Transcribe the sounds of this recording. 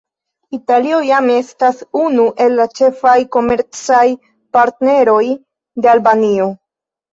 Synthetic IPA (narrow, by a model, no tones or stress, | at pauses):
italio̞jame̞stasunuʔe̞lːat͡ʃe̞fajko̞me̞ɾt͡saj | paɾtne̞ɾo̞j | de̞albanio̞